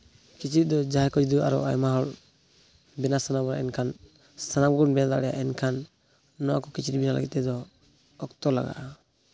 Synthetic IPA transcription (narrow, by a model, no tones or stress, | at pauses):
kit͡ʃiɾit̪̚d̪ɔd͡ʒaɦɛkɔd͡ʒid̪ua̰ɾɔ̰ʔa̰jmaɦɔl | bɛnasanabɔɾa̰ʔɛnkʰan | sanaɡɔnbɛnad̪a̰ʔɽɛja̰ʔɛnkʰanː | ɔwa̰kɔkit͡ʃiɾibinala̰ɡḭt̪̚t̪ːɛd̪ɔ | ɔkt̪ɔla̰ɡa̰ʔa